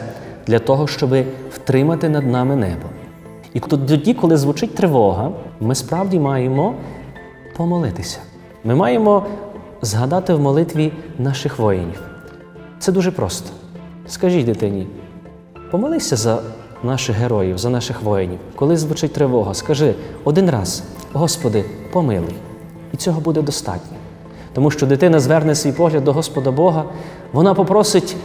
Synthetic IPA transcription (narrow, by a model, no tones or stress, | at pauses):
d̪lʲɐt̪ɔɦɔʃt͡ʃɔbɪw̥t̪ɾɪmɐt̪ɪnɐd̪nɑmɪnɛ̰bɔ | id̪ɔdʲikɔlˠɪzʋʊt͡ʃɪt̚ʲt̪ɾɪʋɔɦɐmɪspɾɑwdʲimɑjemɔ | pɔmɔlˠɪt̪ɪsʲɐ̥ | mɪmɑjemɔ | zɦɐd̪ɑt̪ɪwmɔlˠɪt̪ʋʲinɑʃɪxʋɔjḛnʲiw | t̪sɛd̪uʒɛpɾɔst̪ɔ̥ | skɐʒʲid̪ɪt̪ɪnʲi | pɔmɐlˠɪsʲɐzɐ | nɑʃɪxɦeɾɔjiwzɐnɑʃɪxʋɔjenʲiwkɔlˠɪzʋʊt͡ʃɪt̚ʲt̪ɾɪʋɔɦɐskɐʒɪɔd̪ɪnɾɑ̰z | ɦɔspɔd̪ɪpɔmɪ̰lˠɪ̰j | it͡sʲɔɦɔbud̪ɛd̪ɔst̪ɑ̰tʲnʲɐ | t̪ɔmuʃt͡ʃɔd̪ɪt̪ɪnɐzʋɛrnɛsʲʋʲijpɔɦlʲɐd̪̚ːɔɦɔspɔd̪ɐbɔɦɐ | ʋɔnɑpɔpɾɔsɪtʲ